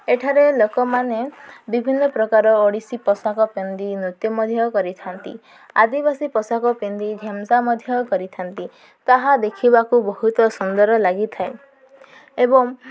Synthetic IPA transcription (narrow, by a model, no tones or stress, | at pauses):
eʈʰaɾelokɔmanebibʱinːɔpɾɔkaɾɔːɽisipɔsakɔpend̪inut̪jɔmɔd̪ʱjɔkɔɾit̪ʰant̪ḭ | a̰d̪ibasipɔsakɔpend̪id͡ʒʱamsamɔd̪ʱjɔkɔɾit̪ʰant̪i | t̪aɦad̪ekʰibakubɔɦut̪ɔsɔnd̪ɔɾɔlaɡit̪ʰae | ebɔŋ